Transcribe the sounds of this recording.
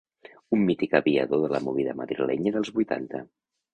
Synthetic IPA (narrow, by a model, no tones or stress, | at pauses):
umːit̪ikəβiəðoðələmuβiðəməðɾilɛɲəðəlˠzβujt̪a̰nt̪ə